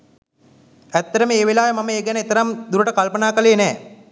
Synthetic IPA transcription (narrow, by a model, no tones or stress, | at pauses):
æt̪ːəɾəməeːʋelaːjəmaməeːɡɛnəet̪əɾamd̪uɾəʈəkalpənaːkəleːnɛː